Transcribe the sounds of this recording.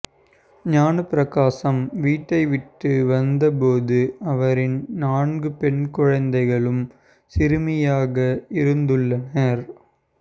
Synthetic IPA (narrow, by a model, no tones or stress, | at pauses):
ɲaːɳɯpɾɐkaːsɐmʋiːʈːɐɪʋɪʈːɯʋɐnd̪ɐpoːðɯɐʋɐɾɪnnaːɳɡɯpɛɳkʊɻɐnd̪ɐɪɣɐɭɯm | sɪɾɯmɪjaːɣɐɪɾɯnd̪ɯɭːɐnɐɾ